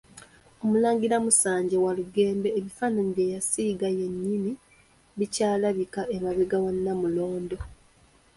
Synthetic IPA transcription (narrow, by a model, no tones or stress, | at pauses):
o̞mulaːŋɡiɾamusaːɲɟe̞waluɡe̞ːmbe̞ːβifaːnaniɾejasiːɡaje̞nːimi | βicaːlaβikaʔemaβeɡawanːamulo̞ːndo̞